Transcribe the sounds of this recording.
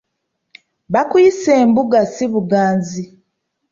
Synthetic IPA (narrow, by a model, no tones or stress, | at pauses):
βakuiseːmbuɡasiβuɡaːnzi